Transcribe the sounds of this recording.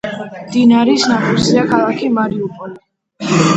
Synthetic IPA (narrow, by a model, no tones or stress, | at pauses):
md̪inaɾisnat̪ʰʼiɾsiakʰalˠakʰimaɾiupʼɔli